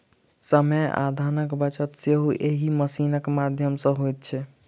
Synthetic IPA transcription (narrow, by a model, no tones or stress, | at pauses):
səməa̰d̪ʱanəkbət͡ʃət̪seɦuʔeɦiməsinəkmad̪ʱjəmsə̃ɦojt̪̚t͡ʃʰɛ